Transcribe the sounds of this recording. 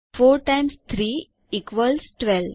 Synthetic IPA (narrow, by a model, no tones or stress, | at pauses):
foːɾʈãjmst̪ʰɾiː | ikʋəlsʈʋɛl